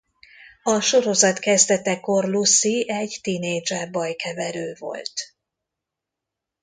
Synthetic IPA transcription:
ɒʃo̞ɾo̞zɒt̪kɛzd̪ɛt̪ɛko̞rlusːiɛɟt̪ineːd͡ʒɛbɒjkɛvɛɾøːvo̞̰lt̪

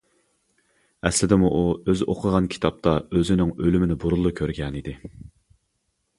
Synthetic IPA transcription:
ɛ̰slɪd̪ɪmuʔuøzʔo̰qʰəʁɑnkʲʰi̥t̪ʰɑp̚t̪ʰɑøzɪnɪŋølymɪnɪbuɾulˠːukʲʰøɾɡʲɛnid̪ɪ

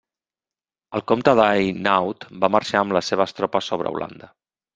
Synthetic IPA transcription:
əlˠkomt̪əðajnawt̪baməɾʃaəmləseβ̞əst̪ɾɔpəsoβ̞ɾə̰ṵlʔa̰nd̪ə

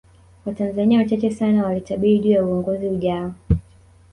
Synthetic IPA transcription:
watanzaniawat͡ʃat͡ʃɛsanawalitaɓiɾiʄuːjauɔŋɡɔziuʄaɔ

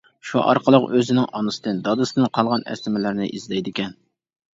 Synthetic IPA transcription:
ʃuʔɑ̰ɾqʰəlˠəqøzɪnɪŋɑnɨsɨd̪ɨnd̪ɑd̪ɨsɨd̪ɨnqʰɑlˠʁɑnɛ̰st̪ɪmɪlɪɾnɪ̰ʔizlɛjd̪ɪkʲɛn

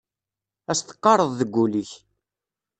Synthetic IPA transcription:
æst̪ə̥qːɑɾˤəðˤðəɡʷːuliç

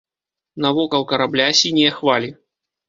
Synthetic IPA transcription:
navɔkɐwkɐɾablʲasʲinʲiɛxvalʲi

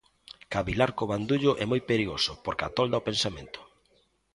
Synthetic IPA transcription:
kaβilaɾkoβand̪uʎʊʔɛmojpeɾiɣosʊpoɾka̰t̪ɔld̪aopensamẽnt̪ʊ̥

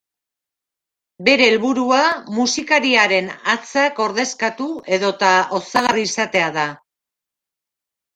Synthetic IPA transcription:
be̞ɾe̞ːlβuɾuamusikaɾiaɾe̞nat͡sako̞ɾðe̞skat̪ue̞ðo̞t̪ao̞saɣariːsat̪e̞aða

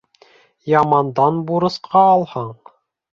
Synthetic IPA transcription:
jɑmɑnd̪ɑnbuɾɤ̆sqʰɑːlˠhɑɴ

